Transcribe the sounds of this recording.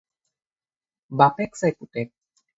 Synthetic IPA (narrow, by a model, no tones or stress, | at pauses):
bapeksajkuʈek̚